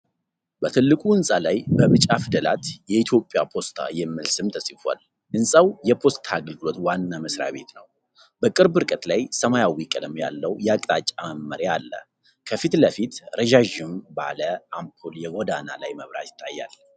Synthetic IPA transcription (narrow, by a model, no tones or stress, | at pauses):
bət̪ʰɨlːɨkʼuɨnsʼalajbəβɨt͡ʃʼːafɨd̪əla̰t̪jɛit̪ʰjo̞pʼːjapʰo̞st̪ʰa̰jɛmːɨlsɨmt̪ʰəsʼifa̰l | ʔɨnsʼəwjɛpʰo̞st̪ʰaɡəlɡɨlo̞t̪wanːaməsɾa̰βe̞t̪nəw | bəkʼɨɾbɨɾkʼət̪lajsəmajawikʼələmja̰lːəwjɛakʼt̪ʼat͡ʃʼːaməmːəɾjalːə̰ | kʰəfit̪ləfit̪ɾʔəʒaʒɪmba̰ləampʰuljɛɡod̪ana̰lajməβɾa̰t̪jɪ̥t̪ʰːajːa̰l